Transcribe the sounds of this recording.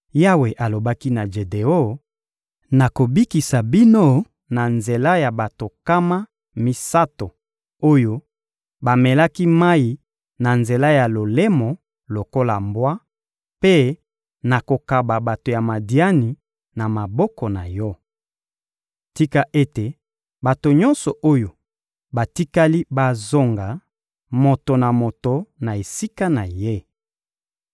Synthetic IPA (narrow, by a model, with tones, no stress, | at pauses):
ja˦we˨ʔa˨lo˨ba˦ki˦na˨ʒe˨de˨o˦ | na˨ko˨bi˦ki˨sa˨bi˦no˦ | na˨nze˨la˦ja˨ba˨to˨ka˦ma˦ | mi˦sa˦to˨ | o˦jo˦ | ba˨me˨la˦ki˦ma˦i˨ | na˨nze˨la˦ja˨lo˨le˦mɔ˨ | lo˨ko˦la˨mbwa˦ | pe˦ | na˨ko˨ka˨ba˨ba˨to˨ja˨ma˨di˨˦a˦ni˨ | na˨ma˨bɔ˦kɔ˨na˨jɔ˦ | ti˦ka˦ʔe˦te˨ | ba˨to˨ɲɔ̃˦nsɔ˨ʔo˦jo˨ | ba˨ti˦ka˦li˦ba˨zo˦ŋɡa˨ | mo˨to˨na˨mo˨to˨na˨e˨si˦ka˦na˨je˦